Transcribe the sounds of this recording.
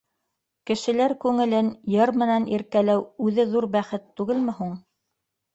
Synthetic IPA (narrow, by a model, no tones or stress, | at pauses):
kɘ̆ʃɘ̆læɾkʉŋɘ̆lɘnjɤɾmɘ̆nænʔiɾkælæwʉðɘðuɾbæχɘt̪ːʉɡɘlmɘ̆ɦuɴ